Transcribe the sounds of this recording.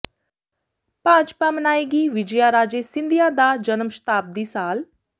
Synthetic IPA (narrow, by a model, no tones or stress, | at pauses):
paːd͡ʒpaːmənaːeɡiːʋɪd͡ʒjaːɾaːd͡ʒeːsɪ̃nd̪ijaːd̪aːd͡ʒənəmʃə̥t̪aːp̚d̪iːsaːl